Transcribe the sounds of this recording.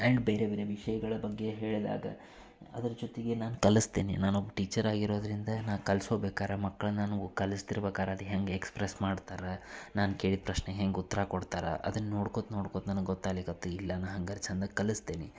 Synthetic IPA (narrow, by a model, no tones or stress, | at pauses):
ɐɳɖbeːɾebeːɾeʋiʂɐjɐɡɐɭɐbɐɡːe̞ɦe̞ːɭd̪a̰ːɡɐ̰ | ɐ̰d̪ɐɾɐd͡ʒot̪iɡenaːnukɐlist̪eːnḭnaːnobːɐʈiːt͡ʃɐɾaːɡiɾo̞ːd̪ɐɾind̪ɐnaːʋkɐlsɦo̞ːbeːkaːɾemɐkːɐɭɐnːɐnanukɐlist̪iɾɐbeːkaːɾeɐd̪ɦeŋɡeekspɾesmaːɖt̪aːɾɐnaːnke̞ːɭid̪̚pɾɐʃneɦeːŋɡeut̪ːɐɾakoɽt̪aːɾɐ̰ʔɐ̰d̪ɐnːnːoːɽkoːd̪no̞ːɽkoːd̪nɐnuɡɡɔt̪ːaːlikɐt̪ːuilːɐnɐɦɐŋɡɐɾt͡ʃʰɐnd̪ɐkɐlist̪eːni